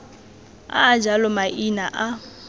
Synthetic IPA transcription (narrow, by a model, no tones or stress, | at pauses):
a̰ːd͡ʒalɔmaʔinaʔa